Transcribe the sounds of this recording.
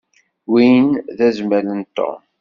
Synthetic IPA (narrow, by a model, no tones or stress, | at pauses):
wijənðæzmələnt̪ːo̰m